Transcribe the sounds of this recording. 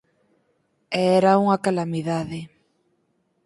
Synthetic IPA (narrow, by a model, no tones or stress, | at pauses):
ɛɛɾauŋakalamiðaðɪ